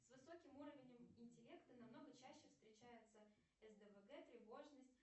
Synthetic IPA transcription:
svɨso̞kʲɪmuɾəvʲɪnʲɪmɪnʲtʲɪlʲe̞kt̪ənɐmno̞ɡət͡ɕæɕːɪfst̪ɾʲɪt͡ɕæjɪt̪sə | ɛzd̪əvəɡɛt̪ɾʲɪvo̞ʐnəsʲtʲ

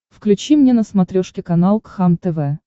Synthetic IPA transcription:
fklʲʉt͡ɕimnʲenəsmɐt̪ɾʲoʂkʲɪkɐnalˠkxamt̪ɛvɛ

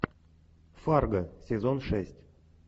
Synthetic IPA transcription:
farɡəsʲezonʂɛsʲtʲ

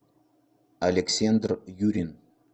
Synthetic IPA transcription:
alʲeksʲend̪rjuɾʲin

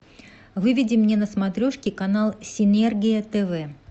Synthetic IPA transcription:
vɨvʲɪdʲɪmnʲenəsmat̪ɾʲoʂkʲɪkanalˠsʲɪnʲɛrɡʲɪjət̪ɛvɛ

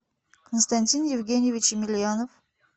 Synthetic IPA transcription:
kʰənst̪anʲt̪ʲinjɪvɡʲenʲjevʲit͡ʃɪmʲɪlʲijanof

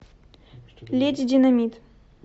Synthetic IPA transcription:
lʲetʲdʲɪnɐmʲit̪

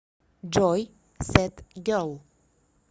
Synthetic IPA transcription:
d͡ʒɔʏ | sɛt̪ɡəʊ

